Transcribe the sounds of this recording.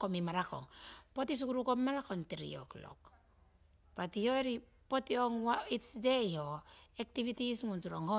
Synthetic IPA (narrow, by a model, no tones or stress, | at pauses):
komimaɾako̰ŋpotis̬ukuɾukommaɾakontiɾḭo̰klo̰k | patioeɾi | potioŋwaitsdejhoek̚tiβitisŋuntuɾoŋho